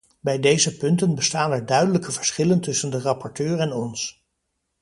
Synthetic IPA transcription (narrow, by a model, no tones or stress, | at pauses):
bɛjdejzəpɵntənbəstaːnɛɹdœɥdələkəvəɹsχɪləntɵsəndərɑpɔɹtøːɹɛnɔns